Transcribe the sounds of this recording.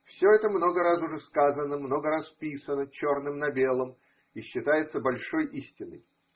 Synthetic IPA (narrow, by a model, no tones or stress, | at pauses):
fsʲoɛt̪əmno̞ɡəɾasʊʐɛskazənəmno̞ɡəɾaspʲisənət͡ɕo̞rnɨmnɐbʲe̞lˠəm | iɕːɪt̪ajɪt̪səbɐlʲʂo̞jisʲtʲɪnːə̰j